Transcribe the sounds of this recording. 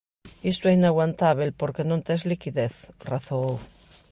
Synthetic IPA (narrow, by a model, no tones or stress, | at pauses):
ist̪ueinaɣwant̪aβelpoɾkenont̪eszlikiðeθraθow